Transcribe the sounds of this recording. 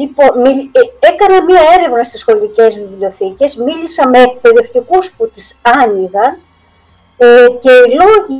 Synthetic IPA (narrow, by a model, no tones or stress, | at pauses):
ipo̞nmie̞kɐnɐmiɐe̞ɾe̞vnɐst̪isxo̞lice̞zvivlʲo̞θice̞zmilisɐme̞ːk̚pe̞ðe̞ft̪ikusput̪isɐniɣɐn | ce̞ilo̞i